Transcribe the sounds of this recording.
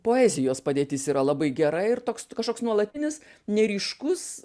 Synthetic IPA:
poːæːzʲɪjoːspɐd̪ʲeːt̪ʲɪsiːɾɐlˠɐbɐɪɡʲɛɾɐɪrt̪oːkskɐʃkoːksnuɔlˠɐt̪ʲɪnʲɪsnʲɛɾʲiːʃkʊs

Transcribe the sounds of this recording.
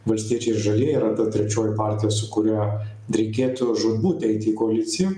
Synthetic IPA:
ʋɐlʲsʲt̪ʲiɛt͡ʃʲɛɪɪʒɐlʲeːjiːɾɐt̪ɐt̪ʲɾʲɛt͡ʃʲoːjʊpɑːɾʲt̪ʲɪjoːsʊkʊɾʲɛ | ɾʲɛɪkʲeːt̪ʊʒoːd̪uːt̪ʲɛɪt̪ʲɪːkoɐlʲɪt̪sʲɪjɛ

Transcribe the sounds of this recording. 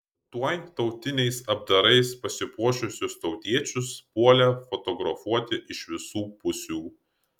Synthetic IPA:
t̪uɔjt̪ɒʊt̪ʲɪnʲɛɪsɐb̚d̪ɐɾɐɪspɐsʲɪpuɔʃʲʊsʲʊst̪ɒʊt̪ʲiɛt͡ʃʲʊspuɔlʲɛfɔt̪ɔɡɾɐfuɔt̪ʲɪʔɪʃʋʲɪsuːpʊsʲuː

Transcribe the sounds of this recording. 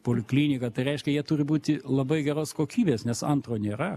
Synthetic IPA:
poːlʲɪklʲiːnʲɪkɐt̪ɐɪɾʲɛɪʃʲkʲɛjiɛt̪ʊːɾʲɪbuːt̪ʲɪlˠɐbɐɪɡʲɛɾoːskoːkʲiːbʲeːsnʲɛsɐnt̪ɾoːnʲeːɾɐ

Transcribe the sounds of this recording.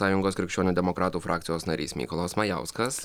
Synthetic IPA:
ɑːjʊŋɡoːskɾʲɪkʃʲt͡ʃʲuːnʲuːd̪ʲɛmɔkɾɑːt̪uːfɾʔɑːkt̪sʲɪjoːsnɐɾʲḭːsmʲḭːkɔlˠɐsmɐjæ̰ˑʊskɐs

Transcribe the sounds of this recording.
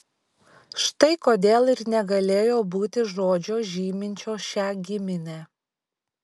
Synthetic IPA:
ʃt̪ɐɪkoːd̪ʲeːlˠɪɾnʲɛɡɐlʲeːjoːbuːt̪ʲɪʒoːd͡ʒʲoːʒʲiːmʲɪnʲt͡ʃʲoːʃʲæːɡʲɪmʲɪnʲæː

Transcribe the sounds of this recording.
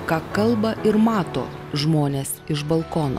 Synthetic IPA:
kɑːkɐlˠbɐʔɪɾmɑːt̪o̰ːʒmoːnʲeːsɪʒbɐlˠkoːno̰

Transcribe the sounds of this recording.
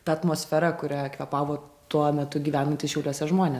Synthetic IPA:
t̪ɐɐt̪moːsʲfʲæɾɐkʊɾʲækʋʲɛpɑːʋoːt̪uɔmʲɛt̪ʊɡʲiːʋʲæːnɐnʲt̪ʲɪsʃʲɛʊlʲuɔsʲɛʒmoːnʲe

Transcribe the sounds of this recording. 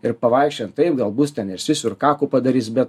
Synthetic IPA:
ɪɾpɐʋɐɪkʃʲt͡ʃʲɛnt̪t̪ɐɪpɡɐlˠbuːst̪ʲɛnɪrsʲʋʲɪsʲʊɾkɑːkuːpɐd̪ɐɾʲiːsbʲɛt̪̚

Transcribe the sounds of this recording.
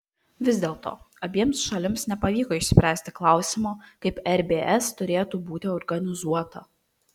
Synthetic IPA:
ʋʲɪzʲd̪ʲeːlˠt̪o̰ː | ɐbʲiɛmsʃɐlʲɪmsnʲɛpɐʋʲiːkoːɪʃʲsʲpʲɾʲæːsʲt̪ʲɪklˠɑˑʊsʲɪmoːkɐɪpɛɾʲbʲeːʔɛst̪ʊɾʲeːt̪uːbuːt̪ʲɪɔɾɡɐnʲɪzuɔt̪ɐ

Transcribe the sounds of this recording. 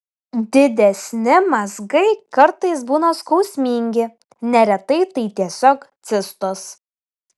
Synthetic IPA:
d̪ʲɪd̪ʲɛsʲnʲɪmɐzɡɐɪkɐɾt̪ɐɪs̬buːnoskɔʊsʲmʲiːŋʲɡʲɪ | nʲɛɾʲɛt̪ɐɪt̪ɐɪt̪ʲiɛsʲoːkt̪sʲɪst̪ʊs

